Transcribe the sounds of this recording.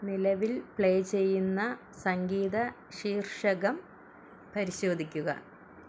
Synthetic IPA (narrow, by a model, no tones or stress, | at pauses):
nilɐʋilpɭejt͡ɕe̞jːunːɐ | sɐŋɡiːðɐ | ɕiːrʂɐɣɐm | pɐɾiɕo̞ːd̪ʱikʲːuɣɐ̰